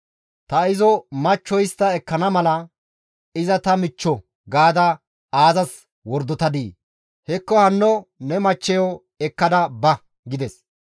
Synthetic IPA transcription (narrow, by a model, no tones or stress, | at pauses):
t̪ɐɪzɔmɐt͡ʃːɔjɪst̪ːɐɛkːɐnɐmɐlɐ | ɪzɐt̪ɐmɪt͡ʃːɔ | ɡaːd̪ɐ | aːzɐs | wɔɾd̪ɔt̪ɐd̪iː | hɛkːɔhɐnːɔnɛmɐt͡ʃːɛjɔ | ɛkːɐd̪ɐbɐ | ɡɪd̪ɛs